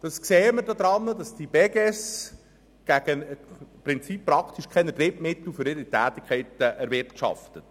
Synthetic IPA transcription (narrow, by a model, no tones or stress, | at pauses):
d̥ɑskseːəməɾdod̪ɾɑnːədɑsd̥ib̥ɛɡɛs | ɡ̥æɡ̥əpɾɪnt͡sipːɾɑkʰt̪iʃkʰɛnədɾɪpmɪtl̩føɾɪɾitæːt̪ikχɛɪtəɛɾvɪɾtʃɑ̰ftət